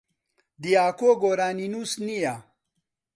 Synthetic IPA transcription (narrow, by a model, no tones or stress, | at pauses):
d̪ijaːkoɡoːɾaːninusnija